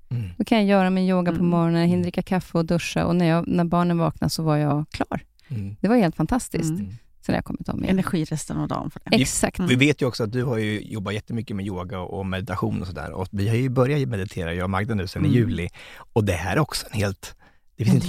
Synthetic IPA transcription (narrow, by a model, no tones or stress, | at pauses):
d̥̪ɔkʰanjajœːɾamɪnjoːɡapʰɔmɔɾɔnənhɪnɾɪkːakʰafːɛɔd̪ɵʂːa̰ʔɔ̰næɾjɑːnæɾbɑːɳənvɑːkna̰sɔvaɾjɑːkʰlɑːɾ | d̪̥ɛvaɾheːlt̪fant̪ʰast̪ɪst̪ | sɛnːja̰ːkʰɔmːɪt̪ɔ̰mɪ̰ɛnæɾɧiːɾɛst̪ənɔd̪ɑ̰ːmfœɖɛ̰ɛsakt̪vɪveːt̪jəɔksɔat̪̚d̪ɵhaɾjɵjɔbːat̪jɛt̪ːəmʏkːəmɛjoːɡaɔmɛd̪ɪt̪aɧuːnɔsɔd̪æ̰ːɾɔ̰vɪhaɾjɵbœɾjat̪mɛd̪ɪt̪ʰeːɾajɑːmaɡ̚d̪anʉ̟ːsɛnːɪjʉ̟ːlɪɔd̪ɛhæɾɔksɔɛnheːlt̪ | d̪̥ɛfɪnsɪt̪